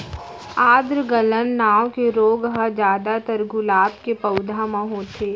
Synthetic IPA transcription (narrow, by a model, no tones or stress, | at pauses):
aːd̪ɾɡələnːaːwkeɾoːɡɦɐd͡ʒjaːd̪at̪əɾɡʊlaːpkepɐʊd̪ʱamãɦoːt̪ʰeː